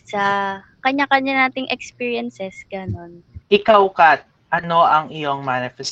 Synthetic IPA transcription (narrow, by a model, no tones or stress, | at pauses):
sɐ | kɐɲakɐɲanaːt̪ɪŋʔɛkspiːɹjɐnsɛsɡ̥ɐno̞nʔɪkawkat̪̚ | ʔɐno̞ʔɐŋɪjoŋmanɪfɛs